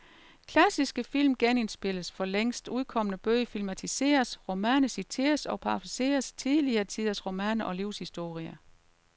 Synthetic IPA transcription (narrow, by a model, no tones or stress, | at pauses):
kʰlæsisɡ̥əfil̰mɡ̥ene̝nsb̥e̝ləsfɒ̽leŋ̰sd̥uð̞ˠkʰɒ̽mənəb̥øɪfilmæt͡sʰise̝̰ːɐsʁo̝mæːnəsit͡sʰe̝̰ːɐsɒ̽pʰɑfese̝̰ːɐst͡sʰiðˠliɐːt͡sʰiðˠɐsʁo̝mæːnʔɒ̽liʊshisd̥o̝̰ːʁiɐ